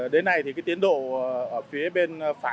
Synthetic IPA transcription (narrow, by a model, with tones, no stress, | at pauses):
ɗe˨˦nːa˧˩jt̪ʰi˨˩kaː˨˦jt̪i˨˦ənɗo̰˧˨˩ʔəː˧˩fi˨˦əɓe˧nfaː˧˩